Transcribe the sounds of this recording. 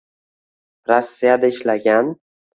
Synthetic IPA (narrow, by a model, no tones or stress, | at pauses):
ɾosːijad̪aɪʃlaɡʲan